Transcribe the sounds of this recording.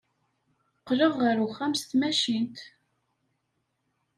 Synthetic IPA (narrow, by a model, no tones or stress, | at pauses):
qːləʁːəɾuχːæmst̪mæʃint̪